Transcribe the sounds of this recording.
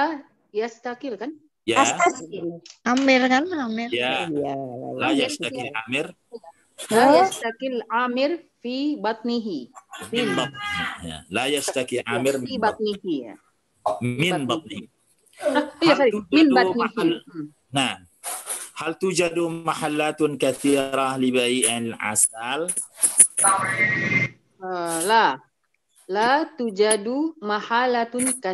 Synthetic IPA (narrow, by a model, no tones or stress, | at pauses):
la | jast̪akɪlkan | jaast̪aɪlʔamɪrkanamɪrja | lajast̪akɪlamɪr | lajast̪akɪlʕaːmɪɾfibat̪̚ˤniɦimɪnbat̪̚ˤniɦija̰lajast̪akilʔamɪrmibat̪̚ˤniɦia̰ | mɪnbɑt̪ˤnih | ijasaimɪnbatnih | naʕm | halt̪ud͡ʒad̪umaħalːat̪kaθiːɾalibaiʔalʕa̰sal | əla | lat̪ud͡ʒadumahalat̪ʊnka